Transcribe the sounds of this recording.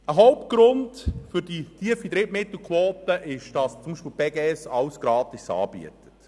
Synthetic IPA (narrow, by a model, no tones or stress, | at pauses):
əɦɔwpt̚ɡ̥ɾʊndfʏɾditʰiəfid̪ɾɪtmɪt̪l̩ˠkʰwoːtəʔɪʃd̥ɑst͡sʊmbiʃpilb̥ɛɡɛɛsɑwsɡ̥ɾɑːt̪isɑ̰ːbḭətə̥t